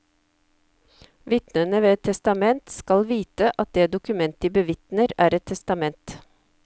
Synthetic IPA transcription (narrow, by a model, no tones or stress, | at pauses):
ʋɪt̪nənəʋeːɛt̪ʰɛst̪ɑmɛnt̪skɑlʋiːt̪əʔɑt̪̚d̪eːd̪ʊkʉmɛnt̪iːbəʋɪt̪nəɾæːɾɛt̪ʰɛst̪ɑmɛnt̪